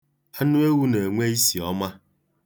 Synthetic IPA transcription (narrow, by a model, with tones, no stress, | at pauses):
a˦nu˦e˦wu˦ne˨ŋʷe˦i˦si˨ɔ˦ma˦